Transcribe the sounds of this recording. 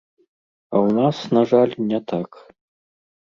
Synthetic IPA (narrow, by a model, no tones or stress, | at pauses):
awnasnaʐalʲnʲɛt̪ʰak